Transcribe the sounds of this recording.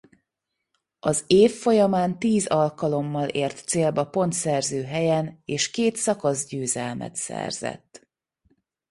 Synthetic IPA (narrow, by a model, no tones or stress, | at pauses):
ɒzeːfːo̞jɒmaːnt̪iːzɒlkɒlo̞mːɒleːrt̪seːlbɒpo̞nt̪sɛrzøːɦɛjɛneːʃkeːt̪sɒkɒzɟøːzɛlmɛ̰t̪sɛ̰rz̥ɛ̰t̪ː